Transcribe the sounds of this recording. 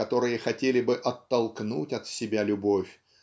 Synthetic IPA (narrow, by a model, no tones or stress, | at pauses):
ɐt̪o̞ɾɨjəxɐtʲelʲɪbɨʔɐt̪ːɐlˠknutʲɐt̪sʲɪbʲalʲʊbo̞fʲ